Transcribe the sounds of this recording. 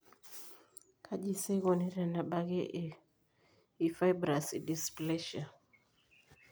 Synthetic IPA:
kʰaʄisɛɣɔniɾanaɓaɣɛʔ | ifajbɾasidisplɛʃa

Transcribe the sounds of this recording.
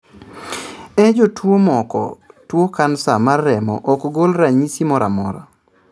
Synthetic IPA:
ɛd͡ʒotwomɔkɔ̰twokansamarːɛmɔ̰ʔɔkɡolɾaɲisimɔɾa̰mɔɾa̰

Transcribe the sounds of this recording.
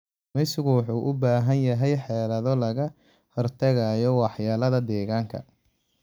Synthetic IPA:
mɛjsɪɣʊwɑħuːʔʊbaːɦɐnjɐɦɛjħɛːlɐðɔlɐɣɐ | hɔrt̪ʰɐɣajɔwɑħjaːlɐðɐd̪ɛːɣaːŋkʰɐ̰

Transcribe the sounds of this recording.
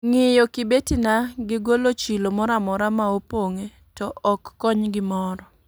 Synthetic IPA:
ŋɪjɔkɪbetinaɡɪɡolot͡ʃilomɔɾamɔɾamaopoŋe | tɔɔkːɔɲɡɪmɔɾɔ

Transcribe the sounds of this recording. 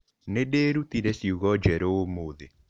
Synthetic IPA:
nedeɾut̪iɾesiuɣɔd͡ʒɛɾoːmoðe

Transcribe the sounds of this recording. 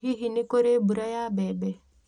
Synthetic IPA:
ɦiɦinikoɾebuɾajaːbɛbɛ

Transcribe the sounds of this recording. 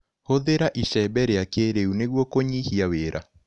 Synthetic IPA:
hoðeɾaʔiʃɛbɛɾeakeɾeuneɣwɔkoɲihiaweːɾʔa

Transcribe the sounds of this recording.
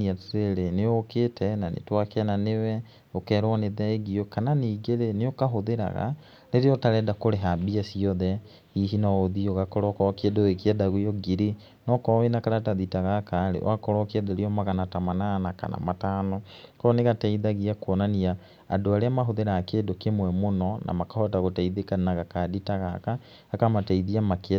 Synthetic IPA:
iateɾeneɔketʰɛnanḛtwakɛnanewɛ | okɛːɾwɔneðɛeɣiɔkananiɡeɾeneokaɦoðeɾa̰ɣa̰ | neɾeɔtaɾɛdakoɾeɦabiasiɔðɛ | hiɦinaoðioɣakɔɾɔkɔkedoekiɛdaɣwejɔɡiɾi | nɔkɔwenakaɾataðitaɣakaɾḛw̰ʔakɔɾɔkeɛdaɾiɔmaɣanatamananaka̰na̰matanɔkɔɔneɣataiðaɣiakwɔnania̰ː | doaɾeamaɦoðeɾaːkeːdokemwɛmonɔnʔa̰makahɔataɣotaiðekannaɣakaditaɣakaː | kamataiðiamak

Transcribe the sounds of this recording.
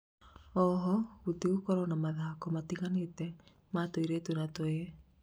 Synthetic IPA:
ɔɦɔɣuteukɔɾɔnamaðaːkomatiɣanetɛ | matoiɾetunatoe

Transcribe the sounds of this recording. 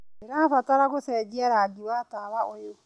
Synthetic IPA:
eɾafataɾaɣosɛd͡ʒiaɾaɡiwataβaojo

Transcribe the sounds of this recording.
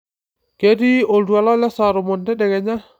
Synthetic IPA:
kediɔldualalasaɾɔmɔndɛdɛɡɛɲa

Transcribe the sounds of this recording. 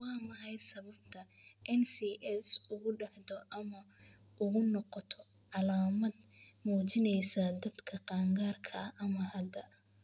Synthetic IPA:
wɑːmɐhɐj̪sɐβɐbt̪ʰɐ | ʔɛnsiːʔɛsʊɣʊɖɑħd̪ɔʔɐmɐ | ʔʊɣʊnɔqɔt̪ʰɔ | ʕɑlaːmɐd̪muːt͡ʃɪnɛjsɐd̪ɐd̪kʰɐqɑːŋɡaːrkʰɐɐʔɐmɐhɐd̪ɐ

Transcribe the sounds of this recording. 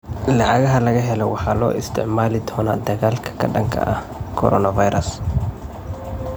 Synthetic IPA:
lɐʕaɣɐɦɐlɐɣɐɦɛlɛwaħalo̰ːʔɪst̪ʰɪ̰ʕmaːlɪt̪ʰoːnaːd̪ɐɣaːlkʰɐ̥kɐ̰ᶑɐŋkʰɐ̰ʔɐ | kʰɔ̰ɾʔɔːnɐvajɾɐs

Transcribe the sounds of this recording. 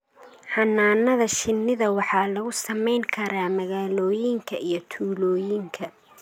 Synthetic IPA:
ħɑnːaːnɐðɐʃɪnːɪðɐwɑħɑːlɐɣʊsɐmɛjŋkʰɐɾaːmɐɣaːlɔːjɪŋkʰɐijɞt̪ʰuːlɔːjɪŋkʰɐ

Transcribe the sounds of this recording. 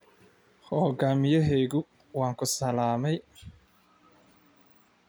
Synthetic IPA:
hɔːɣaːmɪjɐɦɛjɣʊ | wɑːŋkʰʊsɐlaːmɛj

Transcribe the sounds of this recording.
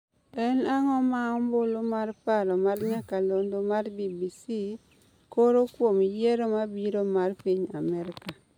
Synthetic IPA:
ɛnaŋɔmaɔmbolomarpaɾɔmarɲakalondomarbibisi | koɾokwomijɛɾomabiɾomarpiɲa̰mɛɾɪka

